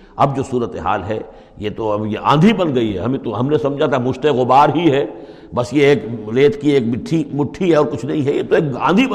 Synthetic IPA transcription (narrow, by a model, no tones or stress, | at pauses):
ɐbd͡ʒoːsuːɾət̪eɦa̰ːlɦɛ | jet̪oɐjeʔã̰ːnd̪ʱibɐnɡɐiɦɛ̰ɦɐmẽt̪oɦɐmnesɐ̃md͡ʒʱat̪amʊʃt̪eɣʊbaːɾɦiɦɛ | bɐsjeeːkleːt̪ʰkieːk̚mɪʈʰːimʊʈʰːiɦɛɔːɾkʊt͡ʃʰnɐɦĩɦɛjet̪oeːk̚ã̰ːnd̪ʱib